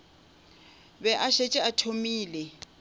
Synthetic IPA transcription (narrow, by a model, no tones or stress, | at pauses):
βɛʔaʃet͡ʃʼɛatʰomiːlɛ